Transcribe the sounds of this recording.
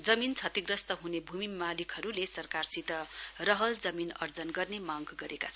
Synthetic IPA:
d͡zʌmint͡sʰʌt̪iɡrʌst̪ʌɦunebʱumimalikʰʌɾulesʌrkarsit̪ʌrʌɦʌld͡zʌminʌ̰rd͡zʌnɡʌrnemaɡɡʌɾeka̰t͡sʰʌn

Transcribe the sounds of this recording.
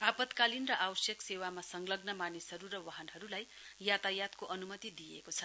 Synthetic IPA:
bʱapʌt̪kalinrʌʔawsjʌksewamasʌŋɡlʌɡnʌmanisɦʌɾuɾʌwaɦʌnɦʌɾulaj | jat̪ajat̪koʔʌnumʌt̪id̪ijḛkot͡sʰʌ

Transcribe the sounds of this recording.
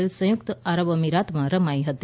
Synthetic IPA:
lsɐ̃juk̚t̪aɾəʋəmiɾat̪mãɾəmajɦət̪

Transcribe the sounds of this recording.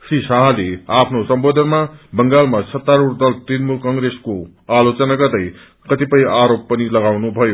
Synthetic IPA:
sisaɦaleapʰnosʌmbod̪ʱʌnmabʌŋɡalmasʰʌt̪ːaɾurd̪ʌlt̪inmulkʌŋɡɾesko | alot͡sʌnaɡʌrd̪ʌj | kʌt̪ipʌjaɾopːʌnilʌɡawnubʱʌjo

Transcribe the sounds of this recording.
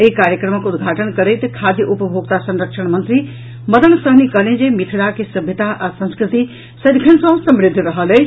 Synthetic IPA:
ekaːɾjəkɾəməkʰʊd̪ʱɡʱaːʈənkɐɾeit̪ɐkʰaːd̪ʱjiʔʊpəbʱoːɡ̚t̪asɐ̃nɾəkʃəɽ̃mɐ̃nt̪ɾi | mɐd̪əñsɐɦnikɐlẽnd͡ʑemɪt̪ʰɪɽakʰesɐbʱɪt̪aʔɐsɐ̃nskɾɪt̪i | sɐd̪kʰəñsãsɐmɾɪd̪ʱɾɐɦələ

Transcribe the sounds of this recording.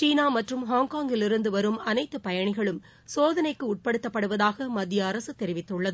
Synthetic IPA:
t͡ʃiːnaːmɐʈrɯmɦaːŋkaːŋɡɪlɪɾɯnd̪ɯʋɐɾɯmɐnɐɪt̪ːɯpɐjɐɳɪɣɐɭɯm | soːðɐnɐɪkːɯʊʈ̚pɐɽɯt̪ːɐpːɐɽɯʋɐðaːɣɐmɐd̪ːjɐːɾɐsɯt̪ɛɾɪʋɪt̪ːɯɭːɐðɯ

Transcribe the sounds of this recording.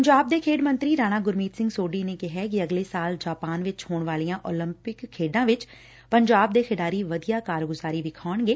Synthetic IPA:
əɲd͡ʒaːb̚d̪eːkʰeːɖmə̃nt̪ɾiːɾaːñaːɡʊɾmiːt̪sɪ̃ŋɡsoːɖiːneːkɪɦɛːk̬ɪəɡleːsaːld͡ʒaːpaːnʋɪt͡ʃhoːɳʋaːlijãːʔoːlɪmpɪkʰːeːɖãːʋɪt͡ʃ | pəɲd͡ʒaːb̚d̪eːkʰɪɖaːɾiːʋəd̪ijaːkaːɾɡʊzaːɾiːʋɪkʰaːəɳɡeː

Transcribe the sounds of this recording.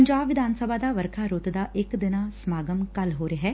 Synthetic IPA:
ɲd͡ʒaːbʋɪd̪ʱaːnsəbʱad̪aʋəɾkʰaɾot̪d̪aʔeːkd̪ɪnasmaːɡəmkɐlɦoːɾeɦɛ

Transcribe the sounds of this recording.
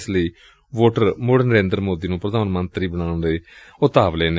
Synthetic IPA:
sləiː | ʋoːʈəɾmoːɽnəɾẽːnd̪ɾmoːd̪iːnũːpɾəd̪ʱaːnmənt̪ɾiːbəɳ̃aːɳɾeːʊt̪aːʋleːne

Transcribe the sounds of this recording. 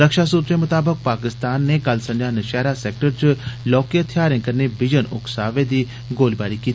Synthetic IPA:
əkʃasuːt̪ɾemʊt̪aːbək̚paːkɪst̪aːnːẽkɐlsɐ̃njaːnɐʃɛːɾaseːk̚ʈəɾt͡ʃʊlɔːkiət̪ʰjaːɾẽkɐɾnebɪd͡ʒənʊ̰ksaːʋed̪iː | ɡoːlbaːɾikiːt̪ː

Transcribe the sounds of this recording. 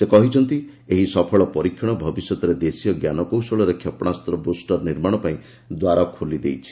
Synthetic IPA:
sekɔɦit͡ʃʰɔnt̪i | eɦisɔpʰɔɭɔpɔɾikʰjɔɽ̃ɔbʱɔbisjɔt̪ɔɾed̪esijɔɡjanɔkowsɔɭɔɾekʰjɔpɔɽ̃ast̪ɾɔbosʈɔɾniɾmaɽ̃ɔpaĩ | d̪waɾakʰolid̪ejt͡ʃʰi̥

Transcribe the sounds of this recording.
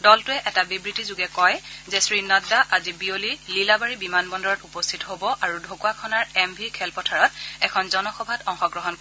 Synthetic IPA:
dɔltʊɛʔɛtabibɹitizuɡɛkɔjzɛsɹinadaʔazibiolililabaɹibimanbɔndɔɹɔtupɔstʰitɔɦobɔʔaɹudʱokuwakʰɔnaɹɛmbʱikʰɛlpɔtʰaɹɔt̚ɛkʰɔnzɔnɔxɔbʱatɔŋxɔɡɹɔɦɔnk

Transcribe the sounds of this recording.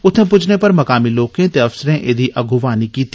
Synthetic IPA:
ʊt̪ʰẽpʊd͡ʒʰnepɐɾmɐkaːmiloːkẽt̪eɐfsəɾẽʔed̪ʱiʔɐɡʱʊʋaːnikiːt̪ʰː

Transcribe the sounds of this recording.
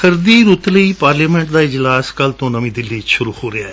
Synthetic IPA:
kəɾd̪iːɾʊt̪ləiːpaːɾliːmɛ̃ːɳʈd̪aːɪd͡ʒlaːskəlt̪õːnəmĩːd̪ɪlːiːʃʊɾuːhoːɾɪaːɛː

